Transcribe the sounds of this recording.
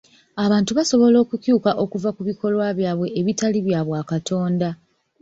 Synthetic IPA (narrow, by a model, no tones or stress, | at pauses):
aβaːntuβaso̞βo̞lo̞ːkucjuːkaʔo̞kuvakuβiko̞lwaβjaːβwe̞ʔːβitaliβjaːβwaːkatʰo̞ːnda